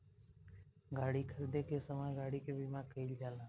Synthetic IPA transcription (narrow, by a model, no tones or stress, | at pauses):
ɡaːɽiːkʰəɾd̪eːkeːsəmaːɡaːɽiːkeːbiːmaːkʰeild͡ʒaːlãː